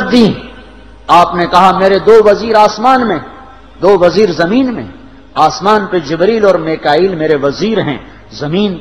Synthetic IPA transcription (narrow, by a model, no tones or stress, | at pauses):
d̪ĩː | aːpnekɐɦameːɾed̪oːʋɐziːɾaːsmaːnmẽ | d̪oːʋɐziːɾzɐmiːnmḛ̃ | aːsmaːnpeːd͡ʒɪbɾiːlɔːɾmeːkaːiːlmeːɾeʋɐziːɾɦɛ̰̃ː | zɐmiːn